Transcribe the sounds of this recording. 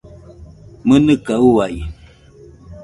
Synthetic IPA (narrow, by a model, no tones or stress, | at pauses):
mənɨkauaj